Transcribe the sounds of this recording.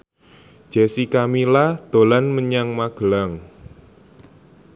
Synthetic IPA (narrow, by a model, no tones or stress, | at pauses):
ʒ̥ɛsikamilad̪̥o̤lanməɲaŋmaɡ̥əlaŋ